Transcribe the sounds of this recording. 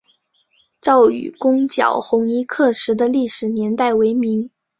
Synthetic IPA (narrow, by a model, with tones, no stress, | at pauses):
ʈ͡ʂɑ˥˩ʊy̰˨˩kʊ˥ŋt͡ɕjɑ̰˨˩ʊxʊ˧˥ŋi˥kʰɤ˥˩ʂɻ̩˧˥d̪ə˧li˥˩ʂɻ̩˨˩njɛ˧˥nt̪a˥˩ɪwe˧˥ɪmi˧˥ŋ